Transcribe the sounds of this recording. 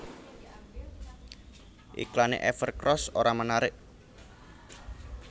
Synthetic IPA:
ʔḭklanḛʔɛfərkrɔsoɾamənaɾɪʔ

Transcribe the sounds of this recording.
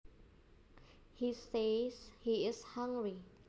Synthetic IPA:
hiseshiɪshãŋɡɹi

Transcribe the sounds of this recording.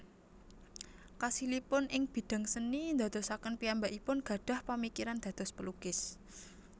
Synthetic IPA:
kasilipʊnʔɪŋb̥i̤d̪̥a̤ŋsənind̪a̤d̪̥ɔ̤sakənpiambaʔipʊnɡ̥a̤d̥a̤hpəmikiɾand̪̥ä̤d̪̥ɔ̤spəluɡ̥ɪs

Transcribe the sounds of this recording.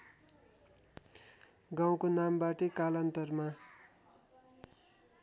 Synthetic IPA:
ɡaw̃konambaʈʌkalʌnt̪ʌrma

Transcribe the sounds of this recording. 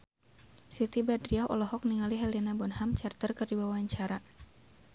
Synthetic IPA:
sit̪ibadɾiaɔ̰lɔɦɔk̚niŋaliɦɛlinabɔnhamt͡ʃart̪ərkɨrdibawaɲt͡ʃaɾa

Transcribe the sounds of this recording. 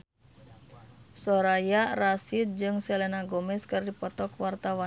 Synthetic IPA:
sɔɾajarasit̪̚d͡ʒɨŋsɛlɛnaɡɔmɛskɨrdipɔt̪ɔkwart̪awa

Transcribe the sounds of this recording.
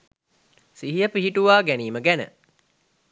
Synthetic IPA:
siɦijəpiɦiʈuʋaːɡæniːməɡænə̰

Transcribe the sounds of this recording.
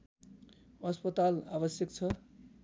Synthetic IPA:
ʌspʌt̪alabʌsjʌkt͡sʰʌ

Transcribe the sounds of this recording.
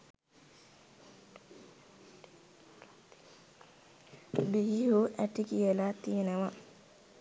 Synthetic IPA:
biːɦuʔæʈikijəlat̪ijənəʋa

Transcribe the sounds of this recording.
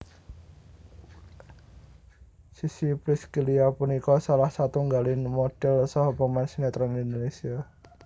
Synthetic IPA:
sisipɾiskiliapunikɔsalahsat̪uŋɡalɪnmoɖ̥ɛlsɔɦopɔmansinet̪ɾɔnind̪onesia

